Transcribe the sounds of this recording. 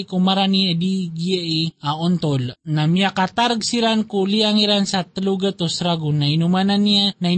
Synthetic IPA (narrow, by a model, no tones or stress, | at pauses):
ikumaɾaniədiɡiəʔiaɔnt̪ɔlnamiakat̪arɡsiɾankuliaŋiɾansat̪ːəluɡət̪osɾaɡunainumananiənai